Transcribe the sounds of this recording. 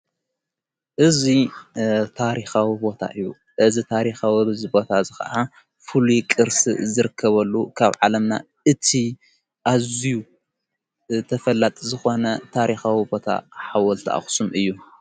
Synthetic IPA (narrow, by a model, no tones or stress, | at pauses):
ʔɨzi | t̪ʰaɾixawibo̞t̪ʰa̰ʔɨjːu | ʔɨzit̪ʰaɾixawizibo̞t̪ʰazɨxɐ̰ʔa | fulukʼɨɾsɨzɨɾɨkʰːɐβɐlːukʰaβʕalɐmna̰ | ɨt̪ʰi | ʔaziju | t̪ʰɐfɐlːat̪ʼizɨxo̞nɐt̪ʰaɾixawibo̞t̪ʰa̰ħawɐlt̪ʰaʔa̰xsumʔɨjːu